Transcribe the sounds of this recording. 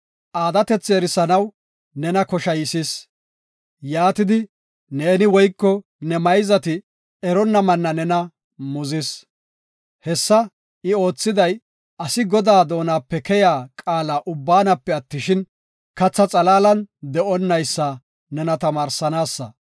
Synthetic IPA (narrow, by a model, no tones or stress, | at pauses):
ʔaːd̪ɐt̪ɛt͡sːeːɾɪsɐnɐw | nɛnɐkɔʃɐjɪsɪs | jaːt̪ɪd̪ɪ | ne̞ːnɪwɔjkːɔ | nɛmɐjzɐt̪ɪ | ɛɾɔnːɐmɐnːɐnɛnɐ | mʊzɪs | hɛsːɐ | ɪo̞ːt͡sːɪd̪ɐj | ɐsɪɡɔd̪aːd̪o̞ːnaːpːɛkɛjaːkʼaːlaːʔʊbːaːnɐpːɛɐt̪ːɪʃɪn | kɐt͡sːɐt͡sʼɐlaːlɐnd̪ɛʔɔnːɐjsːa | nɛnɐt̪ɐmaːɾsɐnaːsːɐ̰